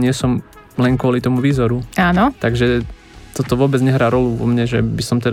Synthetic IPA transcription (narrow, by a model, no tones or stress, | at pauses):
ɲɪɛsɔm | lɛŋkʊɔlit̪ɔmuʋiːzɔɾuaːnɔt̪aɡʒɛ | t̪ɔt̪ɔʋʊɔːbɛd͡zɲɛɦɾaːɾɔluʋɔ̰mɲɛʒɛ̰bisɔmt̪ɛ